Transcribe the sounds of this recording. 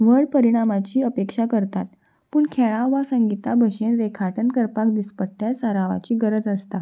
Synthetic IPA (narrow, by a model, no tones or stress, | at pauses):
ʋəɭpəɾiɽ̃amat͡ɕiːəpekʂakəɾt̪at̪ | puːɳkʰeɭaʋasəŋɡit̪abʱəɕenɾekʰaʈənkəɾpakd̪ispəɽt̪jasəɾaʋa̰t͡ɕiːɡəɾəd͡zəst̪a